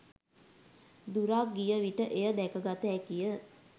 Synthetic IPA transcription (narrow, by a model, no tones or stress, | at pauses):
d̪uɾaːk̚ɡijəʋiʈəʔejəd̪ɛkəɡat̪əækijə